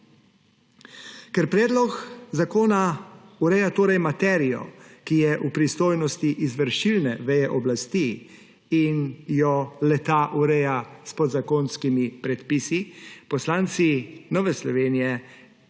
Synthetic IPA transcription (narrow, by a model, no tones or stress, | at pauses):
kɛɾpɾɛːd̪lɔkzakoːnauɾɛjat̪oːɾɛjmat̪ɛːɾijɔ̰kijɛʔupɾist̪oːjnɔst̪iʔizʋəɾʃilnɛʋɛjɛʔɔblast̪iː | njɔlɛt̪aʔuɾɛjaspɔd̪zakoːnskimipɾɛt̪pisipɔslaːnt̪sinɔːʋɛslɔʋeːnijɛ